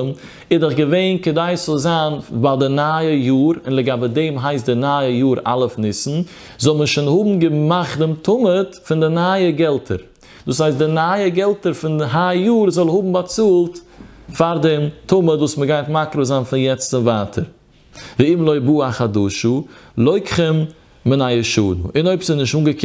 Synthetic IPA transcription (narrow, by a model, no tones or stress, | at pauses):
m | ɪdəχɡəveɪnkədaɪsɔlˠzaːnbadɪnaːəjuːɾɪ̰nlˠəɡabədeɪmɦaɪstdɪnaːəjuːɾa̰lˠəfnɪsn̩ | zɔlˠməʃɪnhʊbm̩ɡəmaχtdɪmtʰʊmətfɪndɪnaːjəɡɛlˠtʰə̰ɾ | d̥uːs̬haɪstdɪnaːjəɡɛlˠtəɾfɪndɦajuːɾzɔlˠhʊbm̩bat͡suːlˠt | faɾdɛmtʊmətvuːsməɡaɪntmakɾozaːnfɪnjɛt͡st͡sɪmvaːtʰəɾ | viɪmlˠoɪbuːaχaduʃulˠɔɪkχəm | mɪnajəʃuːnṵʔɪnoɪpsɪnɪʃtuːŋɡəkʰ